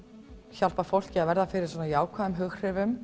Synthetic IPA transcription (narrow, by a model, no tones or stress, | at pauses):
çal̥pafowl̥cɪaðvɛɾðafɪɾɪɾ̥sɔnajaːwkʰvaːðʏmɦʏxr̥ɪvʏm